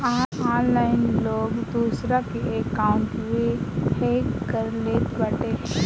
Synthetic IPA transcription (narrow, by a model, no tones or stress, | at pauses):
aːãːnlaːɪnloːɡd̪uːsɾakeekaːʊɳʈʋehekːəɾleːt̪ʋɐʈe